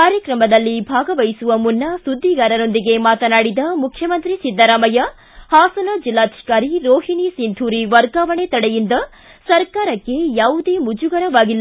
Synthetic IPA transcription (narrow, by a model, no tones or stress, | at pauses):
kaːɾjɐkɾɐmɐd̪ɐlːibʱaːɡɐʋɐjsuʋɐmunːɐsud̪ʱːiɡaːɾɐɾo̞nd̪iɡe̞maːt̪ɐnaːɽid̪ɐmukʰjɐmɐnt̪ɾisid̪ʱːɐɾaːmɐjɐ | haːsɐnɐd͡ʒilːaːd̪ʱi̥kaːɾiɾoːɦinisind̪ʰʱuːɾiʋɐɾɡaːʋɐɳet̪ɐɽejind̪ɐ | sɐɾkaːɾɐkːe̞jaːʋud̪e̞ːmud͡ʒuɡɐɾɐʋaːɡilː